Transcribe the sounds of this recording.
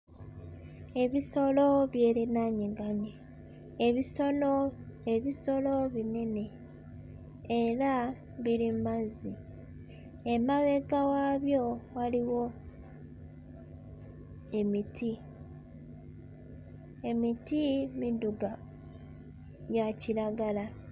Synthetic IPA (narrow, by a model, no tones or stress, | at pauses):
e̞βiso̞lo̞βje̞ːɾenaɲiɡaɲe | eβiso̞noe̞βiso̞lo̞βine̞ne̞ | eɾa | βiɾimazi | emaβe̞ɡawaβjo̞waliwo̞ | e̞mitʰi | e̞mitimiduɡa | jaciɾaɡala